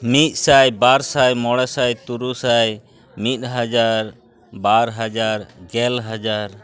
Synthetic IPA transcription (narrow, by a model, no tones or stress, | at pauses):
mit̪̚ˀsajbaɾsajmɔɽɛsajt̪uɾusaj | mit̪̚ˀɦad͡ʒaɾ | baɾɦad͡ʒaɾɡɛlɦad͡ʒaɾ